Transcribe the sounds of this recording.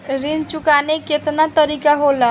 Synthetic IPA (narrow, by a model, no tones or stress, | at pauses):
ɾint͡ʃukaneket̪nat̪əɾikaɦola